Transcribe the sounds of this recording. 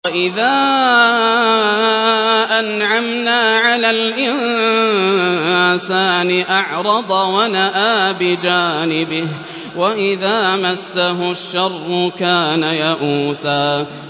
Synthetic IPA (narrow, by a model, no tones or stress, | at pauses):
aʔɪðaː | ʔanʕamnaːʕalaːlʔɪn | saːnɪʔɑʕɾˤɑd̪ˤwanaʔaːbɪd͡ʒaːnɪbɪh | waʔɪðaːmasːaɦʊʃːɑrˤːʊkaːnajaʔuːsaː